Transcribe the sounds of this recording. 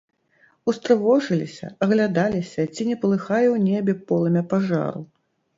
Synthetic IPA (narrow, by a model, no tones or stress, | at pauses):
ust̪ɾɨvɔʐɨlʲisʲɐ̰ɐɣlʲad̪alʲisʲɐt͡sʲinʲɛpɐlˠɨxajɛwnʲɛbʲɛpɔlˠɐmʲɛpaʐa̰ɾṵ